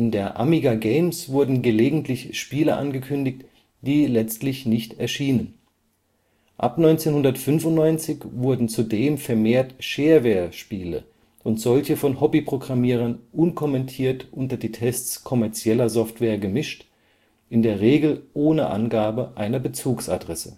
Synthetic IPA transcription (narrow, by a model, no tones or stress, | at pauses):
ʔɪndeːɐʔa̰miɡaɡeɪmsv̥ʊɐdn̩ɡəleːɡŋ̩tʰlɪçʃpiːləʔa̰nɡəkʰʏndɪçt | d̥iːlɛt͡stlɪçnɪçtɛɐʃiːnən | ʔa̰pnɔʏnt͡seːnhʊndɐtfʏnfʊntnɔʏnt͡sɪçv̥ʊɐdn̩t͡sudeːmfɛɐmeːɐtʃeːɐveːɐʃpiːlə̰ | ʔʊntz̥ɔlçəfɔnhɔbipʁ̥oɡʁamiːʁ̞ɐnʔʊnkʰɔmɛntʰiːɐtʔʊntɐdiːtʰɛstt͡skʰɔmɛɐt͡sjɛlɐzɔftv̥ɛːɐɡəmɪʃt | ʔɪndeːɐʁeːɡl̩ʔoːnə̰ʔa̰nɡaːbəʔaɪnɐbət͡suːksa̰dʁɛsə